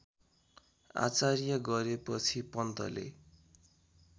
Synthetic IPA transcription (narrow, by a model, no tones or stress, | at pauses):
a̰t͡sarjʌɡʌɾepʌt͡sʰipʌnt̪ʌ̰lḛ